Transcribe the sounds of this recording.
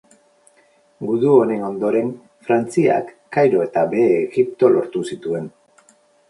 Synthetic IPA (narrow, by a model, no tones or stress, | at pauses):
ɡuðuo̞ne̞no̞nd̪o̞ɾe̞ŋ | fɾant͡sia̰kːajɾo̞e̞t̪aβe̞ːɣipt̪o̞lo̞ɾt̪usit̪ue̞n